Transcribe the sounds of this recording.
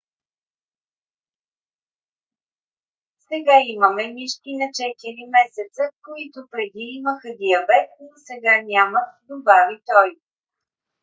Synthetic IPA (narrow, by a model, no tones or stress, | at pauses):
sɛɡaiməmɛniʃt̪inɐt͡ʃɛt̪iɾimɛsɛt̪səkoit̪ʊpɾɛd̪iiməxəd̪iɐbɛt̪̚nosɛɡanʲamət̪d̪obavit̪ɔj